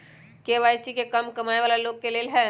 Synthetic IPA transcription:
keːʋaːjsikekəmkɐmaːeʋaːlaloːɡ̚keleːlɦɛː

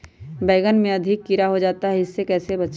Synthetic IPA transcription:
bɛːɡənmẽɐd̪ʱɪkːɪɾaɦod͡ʒaːt̪aɦɛɪsːekɛːsebɐt͡ʃ

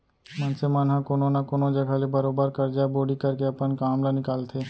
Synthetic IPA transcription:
mɐnsemanɦãkoːnonakoːnod͡ʒɐɡʱalebɐɾoːbəɾkɐɾd͡ʒaeboːɽikɐɾkeɐpənkaːmlanɪkaːlt̪ʰeː

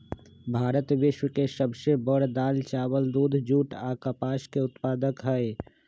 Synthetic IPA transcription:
bʱaːɾət̪ʋɪʃwəkesəbsebəɽd̪aːlt͡ʃaːwəld̪uːd̪ʱd͡ʒuːʈaːkapaːʃkeʊt̪paːd̪əkɦɛe

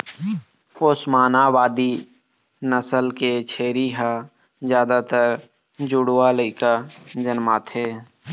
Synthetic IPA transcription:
oːsmaːnaːwaːd̪i | nəsəlket͡ʃʰeːɾiɦa | zjaːd̪at̪əɾ | d͡ʒʊɽwaləikad͡ʒənmaːt̪ʰɦeː

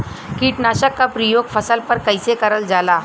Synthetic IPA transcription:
kiːʈnaːʃəkːapɾijoːɡfʰɐsəlpɐɾkɐɪsekɐɾəld͡ʒaːlaː

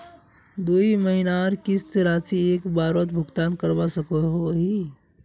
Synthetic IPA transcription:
d̪uiməɦinaɾkist̪ɾat͡ʃiekbaɾət̪bʱʊɡt̪ankəɾbasəkɔɦoɦi

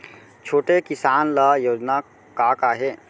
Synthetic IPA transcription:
t͡ʃʰoːʈekɪsaːnləjoːd͡ʒna | kaːkaːɦe

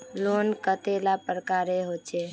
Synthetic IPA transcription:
lonkət̪elapɾəkaɾeɦot͡ʃʰe

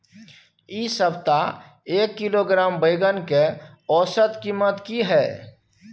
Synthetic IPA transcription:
isəbt̪a | eːkːiloɡɾaːmbəjɡənke | ɔːsət̪kiːmət̪kiɦɛː

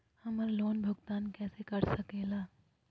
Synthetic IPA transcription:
hɐməɾloːnbʱʊɡt̪aːnkɛːsekɐɾsəkeːlaː

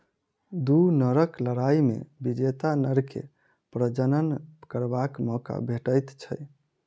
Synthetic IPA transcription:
d̪unəɾəkləɾaimḛbid͡ʒet̪anəɾkʰḛ | pɾəd͡ʒənənkəɾbakmɔka̰bʱeʈəjt̪t͡ʃʰəj

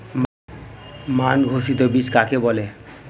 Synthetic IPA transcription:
manɡʱosit̪obit͡ʃkakebɔle

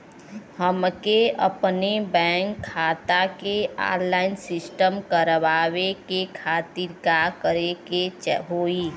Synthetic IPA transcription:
həmkeə̰pnebɛ̃ːŋkʰːaːt̪akea̰ːɾlaːɪnsɪsʈəmkəɾʋaːwekekʰaːt̪iɾɡakəɾeket͡ʃɦoːiː

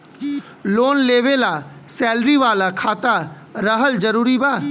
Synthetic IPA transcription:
loːnleːʋelaːsɛːlɾiʋaːlakʰaːt̪a | ɾəɦəld͡ʒəɾuːɾibaː

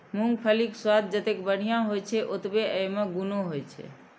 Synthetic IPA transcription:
muŋɡ̚pʰəlikswad̪̚d͡ʒət̪ekbəɽ̤ijãɦojt͡ʃʰɛʔot̪beəjmeɡunoɦojt͡ʃʰɛ̰

